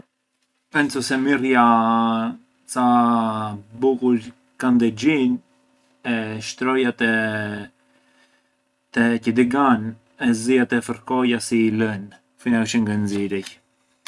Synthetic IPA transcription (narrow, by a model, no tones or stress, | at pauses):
ɛnt͡sɔsɛmirja | t͡sa | bukuɾ | kand̪ɛd͡ʑin | ɛʃt̪ɾɔjat̪ɛ | t̪ɛcəd̪iɡan | ɛziat̪ɛfəɾkɔjasilən | finaəʃəŋɡənziɾɛj